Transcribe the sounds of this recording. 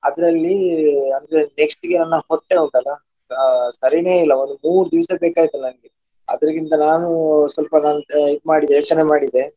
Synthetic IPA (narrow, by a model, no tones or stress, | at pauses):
ɐd̪ɐɾɐlːiɐnd̪ɐɾeneksʈiɡenɐnːɐhoʈːeːuɳʈɐlɐ | sɐɾine̞ːilːɐond̪umuːɾud̪iʋɐsɐbeːkaːɡit̪unɐnɐɡe | ɐ̰d̪ɐɾiɡint̪ɐnaːnusʋɐlpɐnaːnid̪̚maːɽid̪eɛːt͡ʃɐnemaːɽid̪e̞